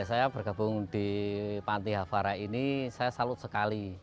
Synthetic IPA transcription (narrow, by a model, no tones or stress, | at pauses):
sajab̥ərɡ̥a̤bʊŋd̪̥i̤pant̪iɦafaɾainisajasalʊt̪̚səkali